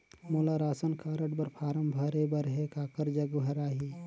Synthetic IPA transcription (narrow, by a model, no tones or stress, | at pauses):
moːlaɾaːsənkʰaːɾəʈbɐɾpʰaːɾəmbʱəɾebəɾɦekaːkəɾd͡ʒəɡbʱɐɾaːɦiː